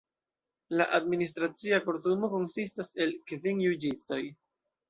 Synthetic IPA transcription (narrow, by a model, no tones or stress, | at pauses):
la̰ʔadminis̬tɾat͡siakoɾtumo̞ko̞nsistase̞lkeviŋjud͡ʒisto̞j